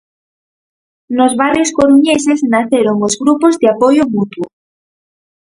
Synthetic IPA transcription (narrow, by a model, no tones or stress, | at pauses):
nozβarjoskoɾuɲesesnaθeɾoŋozɣɾupozðeapojomut̪wo